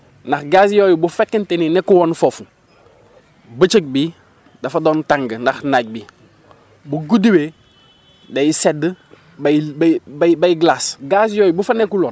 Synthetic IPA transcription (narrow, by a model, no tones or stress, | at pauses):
naxɡaːsjojubufekːənteninekuwonfofu | bət͡ʃək̚biː | dafadoːntaŋɡnaxnaɟ̚biː | buɡudiwe | dajised | babbabajɡlasɡaːs̬joːjubufanekuloːn